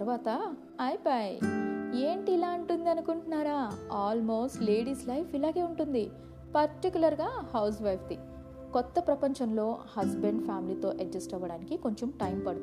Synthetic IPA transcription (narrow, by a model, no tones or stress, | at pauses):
ɐɾʋaːt̪ɐ | ɐjpaje̞ːɳʈiːlaːɐɳʈund̪iɐnukuɳʈunːaːɾaːaːlmoːsʈle̞ːɽiːslɐjfʰilaːɡe̞ːuɳʈund̪i | pɐɾʈikjulɐɾɡaːhɐws̬ʋɐjpd̪i | kɔt̪ːɐpɾɐpɐɲt͡ʃɐmlo̞ːhɐsbeɳɖpʰaːmiliːt̪o̞ːʔɐɡd͡ʒɐsʈɐʋːɐɽaːnikiko̞ɲt͡ʃomʈɐjmpɐɽut̪